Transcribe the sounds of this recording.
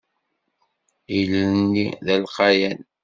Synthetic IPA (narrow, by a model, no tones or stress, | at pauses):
iləniðælqɑjæn